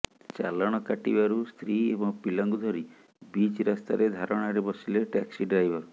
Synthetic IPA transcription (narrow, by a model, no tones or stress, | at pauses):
t͡ʃa̰lɔɽ̃ɔkaʈḭbaɾust̪ʰɾiebɔŋpilɔŋɡud̪ʱɔɾi | bit͡ʃɾast̪a̰ɾed̪ʱaɾɔɽ̃aɾebɔsileʈɛksiɖɾajbɔ